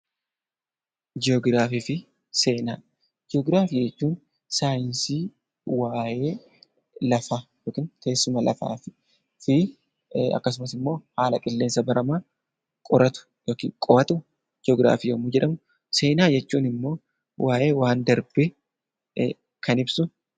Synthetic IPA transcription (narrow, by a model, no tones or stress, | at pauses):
d͡ʒɪɔɡɾaːfiːfɪ | se̞ːnaː | d͡ʒɪɔɡɾaːfiːd͡ʒɛt͡ʃːuːn | saːjɪnsiː | waːje̞ː | lɐfaːjoːkiːnke̞ːsːʊmɐlɐ̰fa̰ːfɪ̥ | fɪ | ɐ̰kːɐs̬ʊmɐsɪmːo̞ːhaːlɐkʼɪlːe̞ːnsɐbɐɾɐmaː | kʼɔɾɐt̪ʊ̥ | joːkiːŋkʼɔɐt̪ʊ | d͡ʒɪoːɡɾa̰ːfiːjomʊd͡ʒɛᶑɐmʊ | se̞ːnaːd͡ʒɛt͡ʃːuːnɪmːo̞ː | wʔaːje̞ːwaːnd̪ɐɾbe | kɐnɪbsʊ